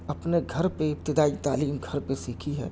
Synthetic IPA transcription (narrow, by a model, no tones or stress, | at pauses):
ɐpneɡʱɐɾpeɪp̚t̪ɪd̪aːit̪aːliːmɡʱɐɾpesiːkʰiɦɛ̰ː